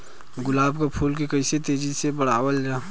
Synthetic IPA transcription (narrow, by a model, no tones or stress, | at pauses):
ɡʊlaːbkapʰuːlkekɐɪset̪eːd͡ʒisebəɽ̤aːwəld͡ʒaː